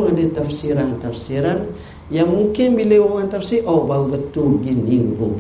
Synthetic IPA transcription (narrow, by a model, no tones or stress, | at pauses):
ŋadet̪afsiɾant̪afsiɾan | jaŋmuŋkɪnbilewoŋant̪afsiʔɔʔbaubət̪uɡiniŋbu